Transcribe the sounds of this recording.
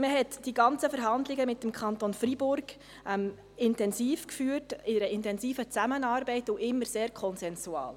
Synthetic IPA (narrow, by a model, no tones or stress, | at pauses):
məɦɛtd̥iɡɑnt͡səfəɾɦɑndlɪɡəmɪtːəmkʰχɑntonfɾibʊɾɡ | ʔɛm | ɪntɛnsiːfkfyːtɪnəɾəɪntɛnsiːfət͡sæmənɑːɾbɛɪtʊʔɪmːəɾseːɾkʰɔnsɛnsuɑ̰ːl